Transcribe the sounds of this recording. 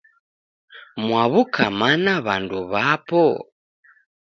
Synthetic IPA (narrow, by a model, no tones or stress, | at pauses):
mwaβukʰamanaβanduβapɔ